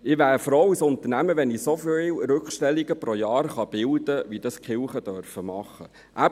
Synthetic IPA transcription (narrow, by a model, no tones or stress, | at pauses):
ɪʋæːɾfɾowisʊnt̪ənæməʋɛnisofɪlɾʏkχʃtɛlːiɡəpɾojɑːɾχɑb̥ɪld̥̪əʋid̥ɑskχɪlχəd̥œɾfəmɑχːə | ʔæ